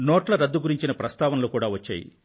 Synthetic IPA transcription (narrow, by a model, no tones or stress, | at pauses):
noːʈlɐɾɐd̪ːuɡuɾiɲt͡ʃinɐpɾɐst̪aːʋɐnɐlukuːɽaːʋɐt͡ʃːa̰ːjḭ